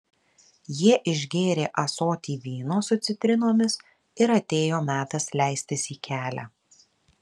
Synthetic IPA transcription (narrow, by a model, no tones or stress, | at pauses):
jiɛʔɪʒʲɡʲeːɾʲeːʔɐsoːt̪ʲiːʋʲiːnoːsʊt̪sʲɪt̪ʲɾʲɪnoːmʲɪs | ɪɾɐt̪ʲeːjoːmʲæːt̪ɐslʲæˑɪsʲt̪ʲɪsiːkʲæːlʲæ̰ː